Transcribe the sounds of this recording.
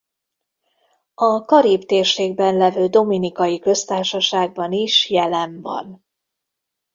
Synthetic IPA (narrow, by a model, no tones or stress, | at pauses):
ɒkɒɾiːbt̪eːrʃeːɡ̚bɛnlɛvøːd̪o̞minikɒjikø̞st̪aːrʃɒʃaːɡ̚bɒniʃjɛlɛɱvɒ̰n